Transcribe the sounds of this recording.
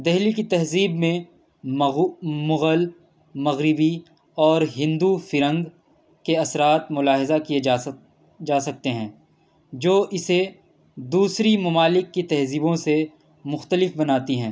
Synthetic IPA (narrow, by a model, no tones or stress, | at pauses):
d̪ɛɦlikit̪ɐɦziːbmẽ | mʊɣəl | mɐɣɾɪbi | ɔːɾɦɪ̃nd̪ufɪɾə̃ŋɡ | keɐsɾaːt̪mʊlaːɦɪzakie | d͡ʒaːsɐk̚t̪eɦɛ̃ː | d͡ʒoːʔɪse | d̪uːsɾimɐmaːlɪkːit̪ɛɦziːbõse | mʊxt̪əlɪfbɐnaːt̪iɦɛ̃ː